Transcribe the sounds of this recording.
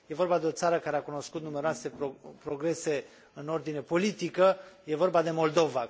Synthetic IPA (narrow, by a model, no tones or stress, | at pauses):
je̞vo̞rbad̪e̞o̞t̪saɾəkaɾeakuno̞skut̪nume̞ɾoase̞opɾo̞ɡɾe̞se̞ | ɨno̞rd̪ine̞po̞lit̪ikəje̞vo̞rbad̪e̞mo̞ld̪o̞va